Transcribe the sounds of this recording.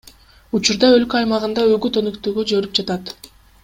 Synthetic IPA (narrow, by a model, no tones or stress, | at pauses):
ut͡ʃuɾd̪ɑø̞lkøɑjmɑʁɯnd̪ɑøɡyt̪ønøkt̪øːɡød͡ʒøɾyp̚d͡ʒɑt̪ɑt̪